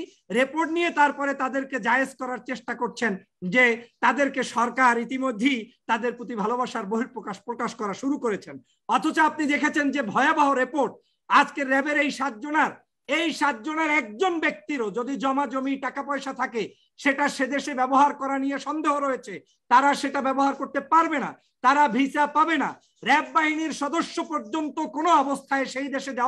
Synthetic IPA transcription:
ɾepoɾʈnijet̪aɾpɔɾet̪ad̪eɾked͡ʑaeed͡ʑkɔɾaɾt͡ɕeʃʈakoɾt͡ɕʰen | d͡ʑet̪ad̪eɾkeʃɔɾkaɾit̪imod̪ʱːejt̪ad̪eɾpɾot̪̬ibʱalobaʃaɾboɦiɾpɾokaʃpɾokaʃkɔɾaʃuɾukoɾet͡ɕʰen | ɔt̪ʰot͡ɕoap̚nid̪ekʰet͡ɕʰend͡ʑebʱɔeabaɦoɾepoɾʈ̚ | ad͡ʑkeɾːɛbeɾejʃat̪̚d͡ʑonaɾ | ejʃat̪̚d͡ʑoneɾɛk̚d͡ʑonbek̚t̪iɾod͡ʑod̪id͡ʑɔmad͡ʑomiʈakapɔjʃat̪ʰake | ʃeʈaʃed̪eʃebɛboɦaɾkɔɾanijeʃɔnd̪eɦoɾoet͡ɕʰe | t̪aɾaʃeʈabɛboɦaɾkoɾt̪epaɾbena̰ | t̪aɾabʱisapabena̰ | ɾɛbːaɦiniɾʃɔd̪oʃːopɔɾd͡ʑont̪okonoɔbost̪ʰaeʃejd̪eʃed̪e

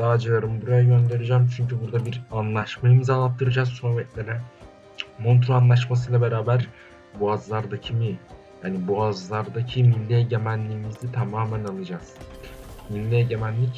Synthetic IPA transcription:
aːd͡ʒɯjaɾɯmbuɾajaɟø̞nd̪e̞ɾid͡ʒaːmt͡ʃʰyɲcʰybuɾd̪abiɾanlˠaʃmajimzalˠap̚t̪ʰɯɾɯd͡ʒaːzsobɛt̪lʲeɾɛ | mont̪ɾoanlˠaʃ̬mas̬ɯjlˠabe̞ɾaːbæɾ | buazlˠaɾd̪acʰimi | jaːnibuazlˠaɾd̪acʰimilʲːɛɟe̞mænlʲiːmizit̪ʰamaːmænalˠɯd͡ʒaz̥ | milʲːeɟemænlʲic

